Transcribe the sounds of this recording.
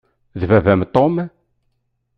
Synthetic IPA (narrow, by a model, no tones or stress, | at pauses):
ðvævæmt̪om